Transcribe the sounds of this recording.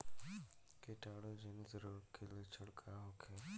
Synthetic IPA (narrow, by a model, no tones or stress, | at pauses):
keʈaːɽod͡ʒenzəɾuːɾkʰelet͡ʃʰʊɽkʰaɦoːkʰe